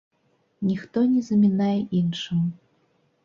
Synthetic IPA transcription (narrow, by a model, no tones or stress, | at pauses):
nʲixt̪ɔnʲɛzɐmʲinajɛʔinʂɨm